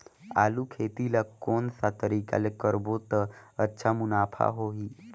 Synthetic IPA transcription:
a̰ːlukʰeːt̪ilakoːnsat̪əɾiːka̰lekəɾbot̪əətːʃʰamʊnaːpʰa̰ɦoɦiː

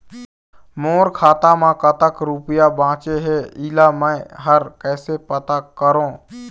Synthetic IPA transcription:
moːɾkʰaːt̪amãkət̪əkɾupjabãːt͡ʃeɦɛiːlamə̃ɦəɾkɛːsepət̪akəɾõː

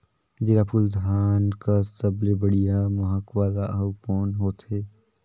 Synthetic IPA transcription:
d͡ʒɪɾaːpʰuld̪ʱaːnkasəblebəɽijamɐɦəkwaːlaəwkɔːnɦoːt̪ɦeː

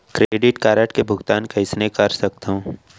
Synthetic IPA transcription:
kɾeːɖɪʈkaːɾəʈkebʱʊɡt̪aːnkɐɪsnekɐɾsɐk̚t̪aɦũː

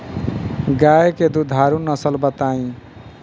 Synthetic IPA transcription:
ɡajeked̪ud̪ʱaɾunʌsʌlbʌt̪aĩ

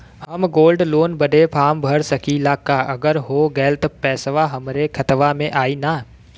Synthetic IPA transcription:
hɐmɡoːlɖloːnbəɖʱepʰaːmbʱəɾsɐkilaːkaɐɡəɾɦoːɡɛːlt̪pɛːsʋaɦɐmɾekʰɐt̪ʋamẽʔaːina

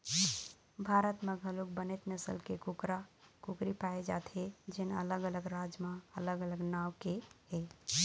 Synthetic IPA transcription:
bʱaɾət̪meɡʱəluk̚bənet̪nəsəlkekukɾakukɾipaed͡ʒa̰t̪ʰed͡ʒenə̰ləɡələɡɾad͡ʒmaələɡələɡnawkeɦe

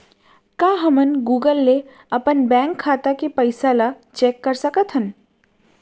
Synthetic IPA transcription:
kaɦəmənɡuːɡəlːe | ɐpənbɛ̃ːŋkʰːaːt̪akepəɪsala | t͡ʃeːkːəɾsəkət̪ɦən

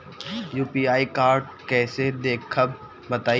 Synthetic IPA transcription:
juːpiːaːikaːɾɖkɛːsed̪eːkʰːəb | bɐt̪aː

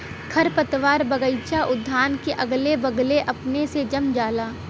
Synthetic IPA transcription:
kʰɐɾpɐt̪ʋaːɾbɐɡəɪt͡ʃaʔʊd̪ʱːaːnkeʔɐɡlebɐɡleʔɐpnesed͡ʒɐmd͡ʒaːlaː

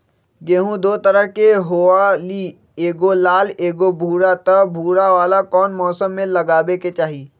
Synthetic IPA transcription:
ɡeːɦũd̪oːt̪ɐɾəɦkeɦoːali | eːɡolaːleːɡobʱuːɾat̪ɐbʱuːɾaʋaːlakɔːnmɔːsəmːẽlɐɡaːbeket͡ʃaːɦiː

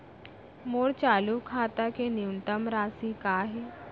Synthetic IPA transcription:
moːɽt͡ʃaːlukʰaːt̪akeniwɳʈ̪əmɾaːsikaːɦe

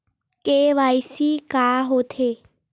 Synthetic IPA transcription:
keʋajsikaːɦot̪ʰe

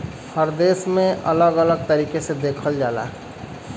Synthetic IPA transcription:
həɾd̪eːsmẽʔə̰ləɡələɡ̚t̪əɾiːkesed̪eːkʰəld͡ʒaːla̰ː

